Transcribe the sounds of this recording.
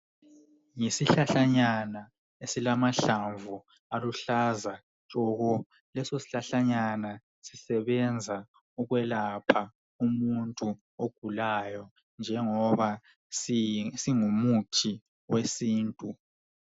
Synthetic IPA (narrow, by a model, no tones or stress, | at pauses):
ŋisiɬaɬaɲana | esilamaɬaɱvu | aluɬaza | lʼɔɣɔ | lɛsosi̥ɬaɬaɲana | sisɛβɛnd͡zʱa | uɣwɛlapʰa | umuntʼu | oɡ̥ʱulajɔ | nd͡ʒʱɛŋɔβa | siŋumutʰi | wesiːntʼu